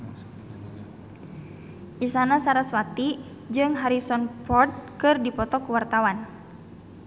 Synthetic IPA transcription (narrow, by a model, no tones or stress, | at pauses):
ʔisanasaɾaswat̪i | d͡ʒɨŋɦaɾisɔnpɔrd̪̚kɨrdipɔt̪ɔkuwart̪awan